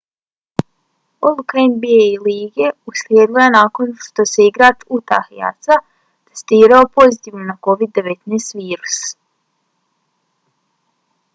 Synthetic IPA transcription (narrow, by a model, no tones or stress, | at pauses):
ɔlˠukenbiejliːɡʲɛusliɛɡ̪ˠujanaːkɔnt̪ɔsiːɡɾaːt̪ut̪a̰xia̰t̪sa | t̪ḁst̪iːɾɔːpɔzit̪ivumnakɔvid̪̚d̪ːevet̪ʲnɛsviːɾu̥s